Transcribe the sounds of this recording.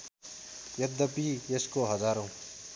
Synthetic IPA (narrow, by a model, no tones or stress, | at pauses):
jʌd̪ːəpiːjeskoɦʌzaːɾõː